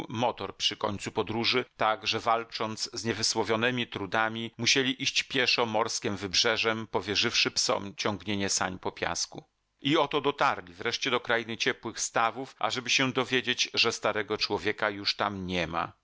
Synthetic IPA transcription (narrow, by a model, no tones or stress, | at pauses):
mɔt̪ɔɾpʂɘkɔɲʲt̪supɔd̪ɾuʐɘt̪aɡʐɛvalt͡ʂɔnt̪szɲɛvɘswɔvʲjɔnɛmʲit̪ɾud̪amʲimuɕelʲiʔiɕt͡ɕpʲjɛʂɔmɔɾskʲɛmvɘbʐɛʐɛmpɔvʲjɛʐɘfʂɘpsɔ̰mt͡ɕɔŋɡɲeɲɛsa̰ɲpɔpʲja̰sku | iɔt̪ɔd̪ɔt̪aɾlʲivɾɛʂt͡ɕɛd̪ɔkɾajinɘt͡ɕɛpwɘxst̪avufʔa̰ʐɛbɘɕɛd̪ɔvʲjed͡ʑet͡ɕʐɛst̪aɾɛɡɔt͡ʂwɔvʲjɛkajuʂt̪amɲɛma̰